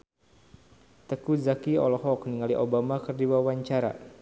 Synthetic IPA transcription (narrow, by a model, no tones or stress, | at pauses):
t̪əkuzakiɔ̰lɔɦɔkniŋaliʔobamakərdiwawaɲt͡ʃaɾa̰